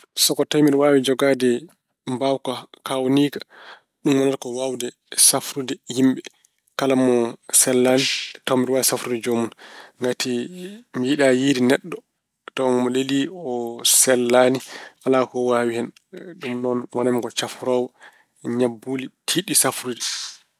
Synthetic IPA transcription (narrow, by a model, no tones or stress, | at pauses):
sɔkɔtajmiɗɔwaːwid͡ʒɔɡadɛ | mbawkakawniːkḁ | ɗumwɔnaɾkɔwawdɛ | safɾudɛhimɓɛ | kalamːɔsɛlːaːnitɔmɾiwaɛsafɾudɛd͡ʒomunŋɡatimijiɗajiɾinɛɗːɔ | tɔmɔleliɔsɛlːanialakɔwawihɛn | ɗumnɔnwɔnamiɡɔt͡ʃafɾɔwɔ | ɲabːuːlitʰiɗisafɾudɛ